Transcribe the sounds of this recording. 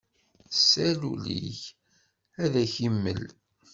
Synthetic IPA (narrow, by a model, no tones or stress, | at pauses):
sːælulḭç | æðæçimːə̰l